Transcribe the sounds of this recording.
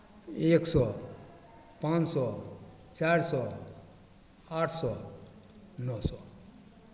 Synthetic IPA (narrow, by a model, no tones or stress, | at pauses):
eksɔ | pãnt͡ssɔ | t͡ɕaɾsɔ | haʈʰsɔ | nɔsɔ